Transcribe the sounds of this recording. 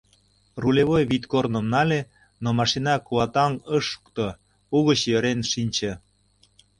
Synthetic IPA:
rulʲeβojβit̪kornəmnɑlʲe | nomɑʃinɑkuɑt̪ɑŋəʃu̥kt̪o | uɣət͡ɕjøɾenʃinʲt͡ɕĕ

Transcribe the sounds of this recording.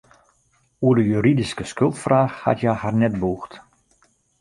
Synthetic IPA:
uədəjyɾidiskəskɵlˠtfraːxha̰tjaharnɛt̚buːxt

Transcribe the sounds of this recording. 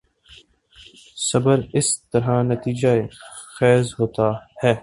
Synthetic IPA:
sɐbəɾɪst̪ɐɾɦãnɐt̪iːd͡ʒaexɛːzɦoːt̪ahɛː

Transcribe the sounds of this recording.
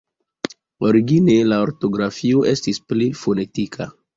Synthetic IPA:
o̞ɾiɡine̞laoɾto̞ɡɾafio̞ʔe̞stisplifo̞ne̞tikʰa

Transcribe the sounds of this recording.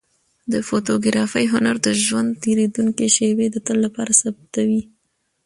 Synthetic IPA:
d̪əfot̪oɡɾɑfajɦʊnaɾd̪əʒwand̪t̪eɾed̪uŋkiʃewed̪ət̪əllːapɑɾasab̚t̪awi

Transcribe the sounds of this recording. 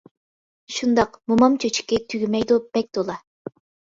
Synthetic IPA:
ʃund̪ɑqmumɑmt͡ʃʰøt͡ʃʰi̥kʲːɛt̪ʰyɡʲymɛjd̪ub̥ɛk̚ʲd̪olˠɑ

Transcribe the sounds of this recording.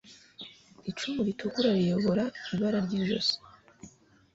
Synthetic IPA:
it͡ʃumuɾitʰukuɾaɾijo̞βo̞ɾaiβaɾaɾɟiːʒo̰so̥

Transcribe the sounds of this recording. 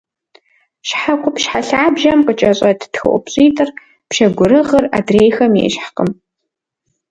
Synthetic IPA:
ʃħaqʷʊpʃħaɬaːbʒɐmqət͡ʃʼɐɕʼɐtʰtxɨ̰ʔʷʊ̰pɕʼiːtʼɨr | pʃɐɡʷʊɾɨʁɐra̰dreːjxɐmjḛːʃħqəm

